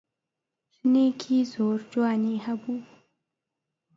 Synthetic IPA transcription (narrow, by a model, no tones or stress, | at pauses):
ʃnekʰizoːɾd͡ʒwɑːnehɐbuː